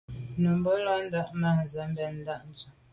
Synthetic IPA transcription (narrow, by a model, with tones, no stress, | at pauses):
nu˨mbə˦lɔ˦n̩˦da˦ʔna˦˨n˨zə˨˦mbɛ˨n̩˦da˦ʔn˦zu˨